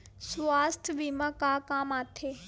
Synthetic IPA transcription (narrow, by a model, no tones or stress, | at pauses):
sʋaːst̪ʰʋimakaːkaːmaːt̪ʰeː